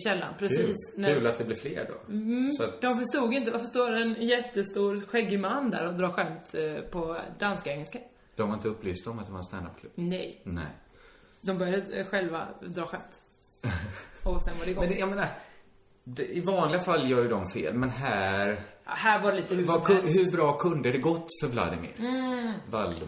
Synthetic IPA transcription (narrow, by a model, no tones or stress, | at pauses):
ɕɛlːa̰npʰɾɛsiːsnæʉ̟ːlat̪̚d̪ɛblɪɾflḛːɾɖɔ̰sɔat̪d̪ɔmfœʂt̪uːɡɪnt̪̬əvafœʂt̪oːɾɛnjɛt̪ːəst̪uːɾɧɛɡːəmanːd̪æ̰ːɾɔd̪ɾɑːɧɛmt̪pʰɔd̪anskaɛŋːɛlska | d̪̥ɔmvaɾɪnt̪əɵpːlyːfst̪ɔmat̪̚d̪ɛvaɾɛnst̪a̰nd̪a̰p̚kʰlɵb̥nɛ̰jnɛ̰j | d̪ɔmbœɾjad̪əɧɛlva̰d̪ɾɑːɧɛmt̪ | ɔsɛnvaɖɛɡɔmjameːna | d̪ɛɪvɑːnlɪɡafalːjɑːɾjɵd̪ɔmfḛːlmɛnɦæːɾɑ̰hæːɾvaɖɛliːt̪əhʉvakɦɵɾbɾɑːkʰɵnd̪əd̪ɛɡɔt̪ːfœɾbla̰d̪ɪmɪ̰ɾvald̪